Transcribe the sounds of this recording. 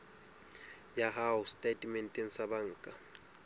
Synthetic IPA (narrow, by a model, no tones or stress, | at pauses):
jaɦaʊstʼetʼmɛntʼen̩sabaŋ̩ːkʼa